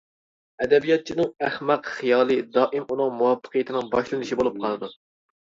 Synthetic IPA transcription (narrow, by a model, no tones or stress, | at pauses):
ɛd̪ɛbijɑt̪̚t͡ʃʰinɨŋæhmɛqχijɑːlˠɨd̪ɑːʔɪmunɨŋmuwɑpːə̥qʰijɪt̪ʰɪnɪŋbɑʃlˠɨnɨʃibolˠup̚qʰɑlˠɨd̪u